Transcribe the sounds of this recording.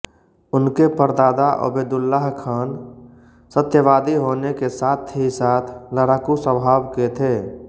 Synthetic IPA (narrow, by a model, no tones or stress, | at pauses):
ʊnkepəɾd̪aːd̪aʔə̰beːd̪ʊlːaːɦkʰaːn | sət̪jəʋaːd̪iɦoːnekesaːt̪ʰisaːt̪ʰləɾaːkusəbʱaːbket̪ʰeː